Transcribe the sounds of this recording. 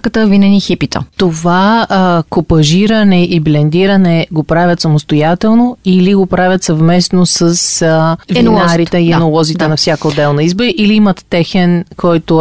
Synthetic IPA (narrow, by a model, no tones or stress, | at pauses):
kət̪əvinɛnixipit̪ə̰t̪ovakopɐʒiɾənɛʔiblɛnd̪iɾənɛɡopɾavʲɐt̪sɐmost̪ojat̪ɛlˠnoiliɡopɾavʲɐt̪sɐvmɛsnosəsvinnaɾit̪ɛiɛnolˠɔzit̪ɛnɐfsʲjakəod̪ːɛlˠnɐizboɾiʔiliimət̪ːɛxɛnkʰɔjt̪o